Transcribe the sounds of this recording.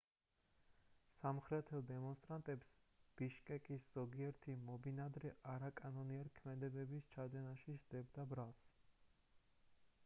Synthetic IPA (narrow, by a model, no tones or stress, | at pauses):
samχɾɛt̪ʰɛlˠd̪ɛmɔnst̪ʼɾant̪ʼɛpsb̥iʃkʼɛkʼisz̥ɔɡiɛɾt̪ʰimɔbinad̪ɾɛʔaɾakʼanɔniaɾikʰmɛd̪ɛbɛbist͡ʃʰad̪ɛnaʃiʃd̪ɛbd̪abɾalˠs